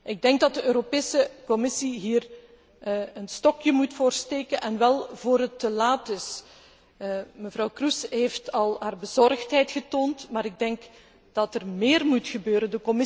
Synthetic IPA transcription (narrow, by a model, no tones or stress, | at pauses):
ʔɪɡ̚dɛŋɡ̚dɑt̚dəøːɾopeːsəkɔmɪsiɦiːr | ənstɔkjəmutfoːrsteːkənʔɛnʋɛlˠvoːɾɦətːəlaːtɪs | məvrɑwkrysɦeftɑlˠɦaːrbəzɔrxtɦɛjtxətoːntmaːɾɪɡ̚dɛŋk | d̥ɑtərmeːrmutxəbøːɾəndəkɔmɪ